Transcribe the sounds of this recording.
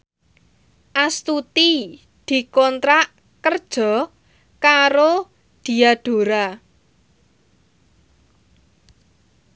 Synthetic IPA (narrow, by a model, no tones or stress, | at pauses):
ʔast̪ut̪i | d̪̥i̤kɔnt̪ɾaʔ | kərd̥ʒ̥ɔ̤ | kaɾo | d̪̥i̤aɖ̥o̤ɾa